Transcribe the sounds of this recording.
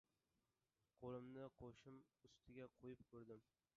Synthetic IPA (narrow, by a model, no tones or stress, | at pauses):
qʰolˠɪmnɪqʰoʃɪmʊst̪ʰɪɡʲaqʰojɪp̚kʰɵɾd̪ɪm